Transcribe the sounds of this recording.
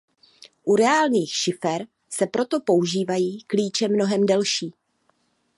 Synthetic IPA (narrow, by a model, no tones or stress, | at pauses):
ʔuɾɛaːlɲiːxʃɪfɛɾ | sɛpɾʔo̞t̪o̞po̞uʒiːvajiːkliːt͡ʃɛmno̞ɦɛmdɛlʃiː